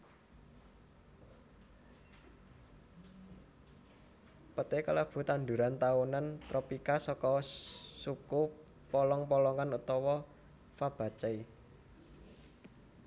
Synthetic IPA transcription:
pət̪ekalab̥ṳt̪and̪uɾant̪aunant̪ɾɔpikasɔkɔsuku | pɔlɔŋpɔlɔŋanut̪ɔwɔ | fab̥a̤t͡ʃɛi

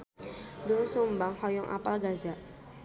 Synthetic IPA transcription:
d̪osumbaŋhɔjɔŋʔa̰palɡazaʔ

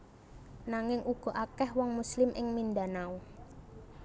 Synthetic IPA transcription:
naŋɪŋʔuɡ̥ɔ̤ʔakɛhwɔŋmuslɪmʔɪŋminɖanau

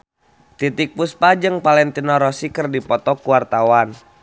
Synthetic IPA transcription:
t̪it̪ik̚puspad͡ʒəŋpalɛnt̪inɔɾɔsikərdipɔt̪ɔkuwart̪awan

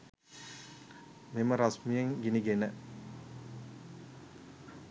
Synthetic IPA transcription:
meməɾasmijeŋɡiniɡenə

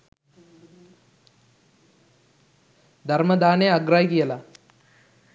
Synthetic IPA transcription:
d̪ʱɐɾmɐd̪aːneɐɡɾaːjikijɐlɐ

